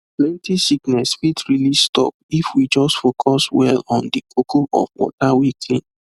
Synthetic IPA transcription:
plɛ̃ntisiknɛsfitɹilistɔ̰p̚ifwid͡ʒɔstfokʰɔswɛ̰lɔ̃ndikʰokʰoʔɔ̰fwɔ̰tawikʰĩn

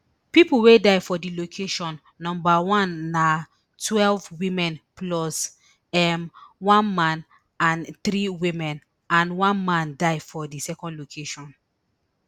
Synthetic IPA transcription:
pipuwedaɪfɔdilokʰeʃɔ̃nːɔ̃mbawãnːa | twɛlvwĩmɛ̃nplɔs | ɛmwãnmãn | ãnθɾiwĩmɛ̃n | ãnwãnmãndaɪfɔdisɛkɔ̃ndlokʰeʃɔ̃n

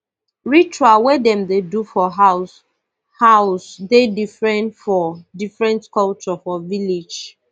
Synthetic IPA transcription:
ɹit͡ʃuawɛdɛ̃mdedufɔɦa | haʊsdedifɹɛ̃ntfɔdifɹɛ̃ntkɔlt͡ʃɔfɔvilid͡ʒ

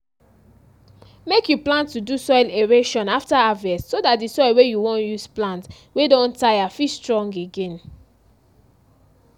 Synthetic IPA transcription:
mekjuplãntːudusɔɪleɹeʃɔ̃naftaavɛssodatdisɔɪlwejuwɔ̃njusplãnt | wedɔ̃ntajafistɹɔ̃ŋɡeɡẽn

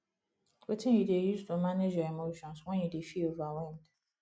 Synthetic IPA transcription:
wetʰɪ̃judejustʰomaned͡ʒaemoʃɔ̃nswɛ̃njudefiovawɛ̃nd

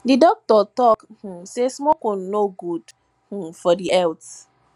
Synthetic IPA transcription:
didɔk̚tɔtɔkh̩sesmɔkɔ̃nnoɡud | h̩fɔdiɛlts

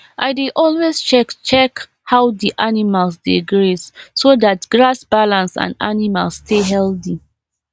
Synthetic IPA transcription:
ʔaɪdeʔɔlwest͡ʃɛkt͡ʃɛk | haʊdiʔanimalsdiɡɹissodatɡɹasb̥alãnsã̰nda̰nima̰lsteɦɛldi

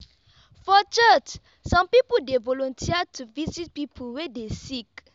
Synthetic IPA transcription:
fɔt͡ʃət͡ʃ | sɔ̃mpipudevɔlɔ̃ntʰiatʰuvizit̚pipʰuwɛdesik

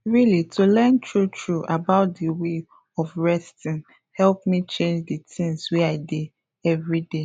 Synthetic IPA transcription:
ɹilitʰulɛntʰɹutʰɹuʔabaʊt̚diwe | ɔfɹɛstĩŋ | hɛlpmit͡ʃẽnd͡ʒditʰĩŋswɛaɪde | ɛvɹide

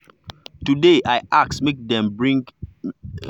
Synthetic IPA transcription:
tudeʔajʔaksmek̚dɛ̃mbɹĩŋɡ

